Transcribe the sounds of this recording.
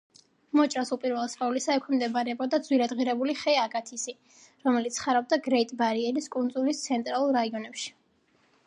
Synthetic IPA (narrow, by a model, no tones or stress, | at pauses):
mɔt͡ʃʼɾasupʼiɾvɛlˠsʼqʼaulisaɛkʰɛmd̪ɛbaɾɛbɔd̪ad̪zwiɾad̪ʁiɾɛbuliχɛaɡʼat̪ʰisi | ɾɔmɛlit̪sʰχaɾab̚d̪aɡɾɛit̪ʼbaɾiɛliskʼund̪zulist̪sʰɛnt̪ʼɾalˠulˠɾaiɔnɛpʃi̥